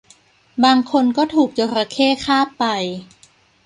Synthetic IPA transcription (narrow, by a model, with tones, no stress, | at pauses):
baː˧ŋkʰo˧nkɔː˥˩t̪ʰuː˨˩k̚t͡ɕo˧ɾa˧kʰeː˥˩kʰaː˥˩pːa˧j